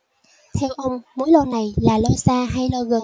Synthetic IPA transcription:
t̪ʰɛ˧wʔə˧wŋ͡mmu˨˦jlɔ˧na˨˩jlaː˨˩lɔ˧saː˧ɦa˧jlɔ˧ɣə˨˩

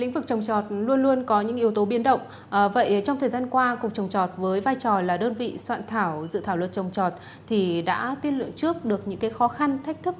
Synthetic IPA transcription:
lḭ˧˥ŋ̟vɨ˨˩k̚t͡ɕə˨˩wŋ͡mt͡ɕɔ˨˩t̚lu˧ənlu˧ənkɔ˨˦ɲɨ̰˧˥ŋʔi˨˦əwt̪o˨˦ɓi˨˦ənɗə̰˧˨wŋ͡m | və̰˧˨jt͡ɕɔ˧wŋ͡mt̪ʰəː˨˩zaː˧nkwaː˧kʊ˨˩k͡p̚t͡ɕə˨˩wŋ͡mt͡ɕɔ˨˩t̚vəː˨˦jvaː˧jt͡ɕɔ˨˩laː˨˩ɗəː˧nvḭ˧˨swa̰ː˧˨nt̪ʰaː˧˩wzɨ̰˧˨t̪ʰaː˧˩wə̰˨n̚t͡ɕə˨˩wŋ͡mt͡ɕɔ˨˩t̚ | t̪ʰi˨˩ɗa̰ː˧˥t̪i˧əlɨ̰˧˨əŋt͡ɕɨ˦˥ək̚ɗɨ˨˩ək̚ɲɨ̰˧˥ŋkaː˨˦jxɔ˨˦xa˧nt̪ʰa˦˥jk̚t̪ʰɨ˦˥k̚

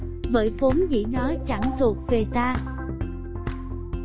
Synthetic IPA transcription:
və̰ː˧˨˦jfo˨˦mzḭ˧˥nɔ˨˦t͡ɕa˧˩ŋt̪ʰu˨˩ək̚ve˨˩t̪aː˧

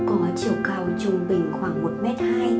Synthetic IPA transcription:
kɔ˨˦t͡ɕi˧˩əwka˧˩wt͡ɕʊ˧ŋ͡mɓï˨˩ŋ̟xwaː˧˩ŋmo˨˩t̚mɛ˦˥t̚haː˧j

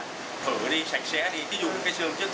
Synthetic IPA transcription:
hʰəː˧˩˨ɗi˧sa˨˧˩jk̟̚sɛ˨˥ɗi˧t̪ʰi˨˦zṵ˨˧˨kaː˨˦jsɨ˧əŋt͡ɕɨ˦˥k̚

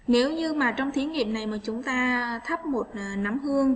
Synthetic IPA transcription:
ne˨˦wɲɨ˧maː˨˩t͡ɕɔ˧wŋ͡mt̪ʰi˨˦ənŋḭ˨˩əp̚na˨˩jmaː˨˩t͡ɕʊ˨˦ŋ͡mt̪aː˧t̪ʰə˦˥p̚mo˨˩t̚ːna˨˧˩mhɨ˧əŋ

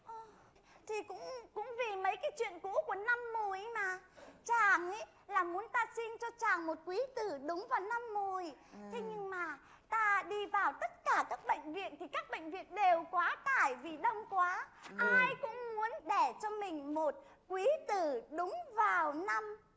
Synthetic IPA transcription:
ʔɔ˨˩ | t̪ʰi˨˩kʊ̰˧˥ŋ͡mkʊ̰˧˥ŋ͡mvi˨˩mə˨˦jkaː˨˦jt͡ɕwḭ˧˨ənkṵ˧˥ku˧˩əna˧mːu˨˩jmaː˨˩t͡ɕaː˨˩ŋʔi˨˦j | laː˨˩mu˨˦ənt̪aː˧si˧nt͡ɕɔ˧t͡ɕaː˨˩ŋmo˨˩t̚kwi˨˦t̪ɨ˨˩ɗʊ˨˦ŋ͡mvaː˨˩wna˧mːu˨˩əjt̪ʰe˨˦ɲɨ˧ŋmaː˨˩ | t̪aː˧ɗi˧vaː˨˩wt̪ə˦˥t̚kaː˧˩kaː˦˥k̚ɓə̰˧˨jŋ̟vḭ˧˨ənt̪ʰi˨˩kaː˦˥k̚ɓə̰˧˨ŋ̟vḭ˧˨ənɗe˨˩wkwaː˨˦t̪aː˧˩jvi˨˩ɗə˧wŋ͡mkwaː˨˦ʔaː˧jkʊ̰˧˥ŋ͡mmu˨˦ənɗe˧˩t͡ɕɔ˧mï˨˩ŋ̟mo˨˩t̚ | kwi˨˦t̪ɨ˨˩ɗʊ˨˦ŋ͡mvaː˨˩wna˧m

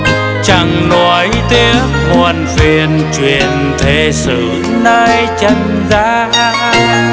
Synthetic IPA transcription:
t͡ɕa˨˩ŋnɔ˨˩jt̪i˧˦ək̚mɔ˨nvi˨˩ənt͡ɕwi˨ən | t̪ʰe˨˩˦sɨ˨˧˦ | nəː˧jt͡ɕə˧ŋ | zaː˧˦˥

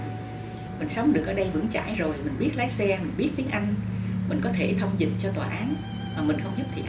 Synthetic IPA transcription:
mï˨˩ŋ̟sə˨˦wŋ͡mɗɨ˨˩ək̚ʔəː˨˩ɗə˧jvɨ̰˧˩˥ŋt͡ɕa̰ː˧˩˨jzo˨˩jmï˨˩ŋ̟ɓi˦˥ət̚laː˨˦jsɛ˧mi˨˩ŋ̟ɓi˦˥ət̚t̪i˨˦əŋʔa˧jŋ̟mi˨˩ŋ̟kɔ˨˦t̪ʰe˧˩t̪ʰə˧wŋ͡mzḭ˨ŋ̚t͡ɕɔ˧t̪waː˨˩ʔaː˨˦n | maː˨˩mï˨˩ŋ̟xə˧wŋ͡mzʊ˦˥p̚t̪ʰḭ˧˨ʔ

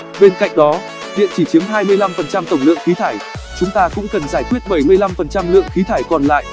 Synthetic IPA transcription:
ɓe˧nka̰˧˨jŋ̟ɗɔ˨˦ | ɗḭ˧˨ənt͡ɕi˧˩t͡ɕi˨˦əŋɦaː˧jmɨ˧əjla˧mfə˨˩nt͡ɕa˧mt̪ə˧˩wŋ͡mlɨ̰˧˨əŋxi˨˦t̪ʰaː˧˩jt͡ɕʊ˨˦ŋ͡mt̪aː˧kʊ̰˧˥ŋ͡mkə˨˩nzaː˧˩jkwi˦˥ət̚ɓə˧˩jmɨ˧əjla˧mfə˨˩nt͡ɕa˧mlɨ̰˧˨əŋxi˨˦t̪ʰaː˧˩jkɔ˨˩nla̰ː˧˨jʔ

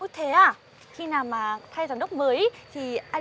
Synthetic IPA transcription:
o˧˦t̪ʰe˨˦aː˧˩ | xi˧naː˨˩wmaː˨˩t̪ʰa˧jzaː˨˩nɗə˦˥k͡p̚məː˨˦jt̪ʰi˨˩ʔaː˧

